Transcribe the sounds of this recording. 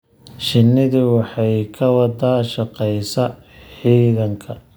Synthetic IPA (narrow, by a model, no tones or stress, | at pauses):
ʃɪnːɪðɪwɑħɑjkʰɐwɑd̪ɐʃɐqɛjsɐ | ħiːðɐŋkʰɐ